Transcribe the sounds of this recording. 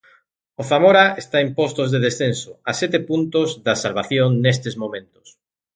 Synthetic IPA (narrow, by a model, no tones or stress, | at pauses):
oθamoɾaest̪aempost̪ozðeðesθensoasɛt̪epunt̪ozðasalβaθjoŋnest̪ezmõmẽnt̪ʊ̥s